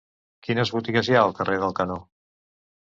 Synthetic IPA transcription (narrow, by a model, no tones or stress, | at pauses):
kinəzβut̪iɣəzjaəlˠkərʔeðəlˠkəno